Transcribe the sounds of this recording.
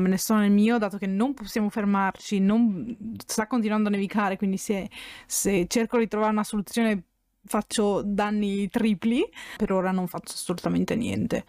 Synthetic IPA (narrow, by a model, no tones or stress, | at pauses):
menesɔnelmiːod̪aːt̪okenːomposːjaːmofermart͡ʃinomst̪akːont̪̬inuwand̪oanːeavikaːɾekwind̪isɛset͡ʃːerkod̪it̪ɾovaːɾeunasolut̪sːjoːne | fat͡ʃːod̪anːit̪ɾiːplipeɾoːɾanoɱfat͡ʃːoasːolut̪ament̪enjɛ̰nt̪ḛ